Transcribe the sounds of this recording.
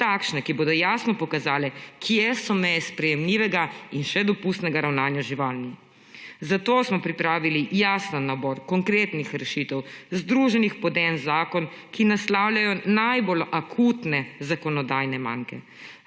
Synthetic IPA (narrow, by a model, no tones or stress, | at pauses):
t̪aːkʃnɛkiboːd̪ɔjaːsnɔpɔkazaːlɛkʰijɛsɔmɛjɛspɾɛjɛmliʋɛɡainʃɛd̪ɔpust̪nɛɡaɾawnaːnjaʒiʋaːlni | zat̪oːsmɔpɾipɾaːʋilijaːsnanːabɔɾkɔŋkɾeːt̪nixɾɛʃiːt̪ɛwzd̪ɾuːʒɛnixpɔd̪ɛːnzaːkɔn | kinaslaːwlʲjajɔnajbolakʰut̪nɛzakɔnɔd̪aːjnɛma̰ːŋkɛ̰